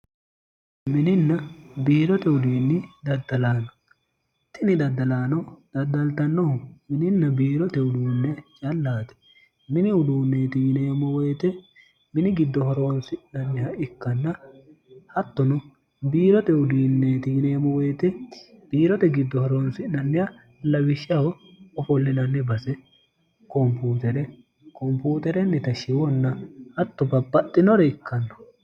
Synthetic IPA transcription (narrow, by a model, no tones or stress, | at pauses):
mɪnɪnːɐbiːɾɔt̪ɛʊd̪iːnːɪd̪ɐd̪ːɐlaːnɔ | t̪ːɪnɪd̪ɐd̪ːɐlaːnɔd̪̥ɐd̪ːɐlt̪ɐnːɔhʊmɪnɪnːɐbiːɾɔt̪ɛʊd̪uːnːɛt͡ʃʼɐlːaːt̪ɛ̥ | mɪnɪʊd̪uːnːeːt̪ineːmɔwɛjt̪ɛ | mɪnɪɡɪd̪ːɔhɔɾo̞ːnsɪnɐnːɪhɐʔɪkːɐnːɐ | hɐt̪ːɔnʊ | biːɾɔt̪ɛʊd̪iːnːeːt̪iːneːmɔwɛjt̪ɛb̥iːɾɔt̪ɛɡɪd̪ːɔhɔɾoːnsɪnɐnːɪhɐ | lɐwɪʃɐwɔɔfɔlːɪnɐnːɪbɐsɛ | kɔmpuːt̪ɛɾɛ | kɔmpuːt̪ɛɾɛnːɪt̪ɐʃɪwɔnːɐhɐt̪ːɔbɐbːɐt̪ʼːɪnɔɾɛɪkʰːɐnːɔ̥